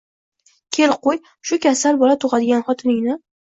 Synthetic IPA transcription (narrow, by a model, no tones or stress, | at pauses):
kʲʰelqoj | ʃʊkʲʰasalbɒlat̪ʰoʁɑd̪ɪɡʲanχɒt̪ʰɪnɪŋnɪ